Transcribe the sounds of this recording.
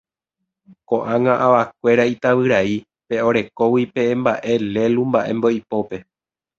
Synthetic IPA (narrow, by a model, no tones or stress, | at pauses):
kõʔãŋãʔaʋak̚ʷe̞ɾait̪aβɨɾai | pe̞o̞ɾe̞ko̞wipe̞ẽmbaʔe̞le̞lumbaʔẽ̞̰mbo̞ipo̞pe̞